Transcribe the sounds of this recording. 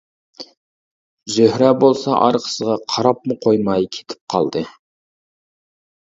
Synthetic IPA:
zøhɾɛbolˠsɑʔɑ̰ɾqʰə̥səʁɑqʰɑɾɑpmʊqʰojmɑjkʲʰe̥t̪ʰɪ̥p̚qʰɑ̰lˠd̪ɨ

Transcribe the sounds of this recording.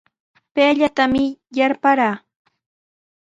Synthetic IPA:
peːʎat̪amɪjaɾpaɾaː

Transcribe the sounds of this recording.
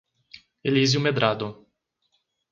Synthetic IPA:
elizjumed̪ɾʔad̪ʊ

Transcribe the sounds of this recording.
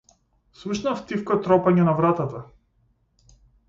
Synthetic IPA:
sluʃnaft̪ifkɔt̪ɾɔpaɲɛnavɾat̪at̪a

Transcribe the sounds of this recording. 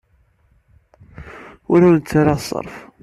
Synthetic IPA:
ʊɾant͡sːaɾasˤə̰ɾˤf

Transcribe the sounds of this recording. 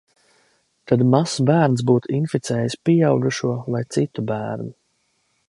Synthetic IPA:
t̪ad̪masbæːɾnsbuːt̪uinfit̪sɛːjispijawɡuʃuɔlajt̪sit̪ubæːɾnu

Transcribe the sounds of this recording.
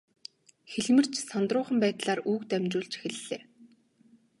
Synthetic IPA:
xeɮmɘ̆r̥t͡ɕsɔnt̪rʊːχə̆mpæːt̪ɮaːruːkt̪æmʲt͡ɕʊːɮt͡ɕxĕɮːeː

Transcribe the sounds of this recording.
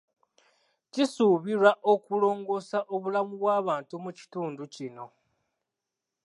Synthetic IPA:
cisuβiɾaʔo̞kulo̞ːŋɡo̞saʔoβulamuβwaːβaːntumuci̥tuːnducino̞

